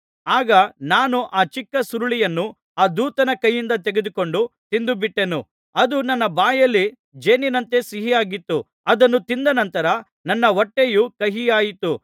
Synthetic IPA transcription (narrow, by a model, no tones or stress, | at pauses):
aːɡɐnaːnuʔaːt͡ʃikːɐsuɾuɭijɐnːu | aːd̪uːt̪ɐnɐkɐjːind̪ɐt̪eɡed̪uko̞ɳɖut̪ind̪ubiʈːe̞nṵ | ɐd̪unɐnːɐbaːjɐlːi | d͡ʒeːninɐnt̪e̞siɦijaːɡit̪ːu | ɐd̪ɐnːut̪ind̪ɐnɐnt̪ɐɾɐ | nɐnːɐʋɔʈːejukɐɦijaːjit̪u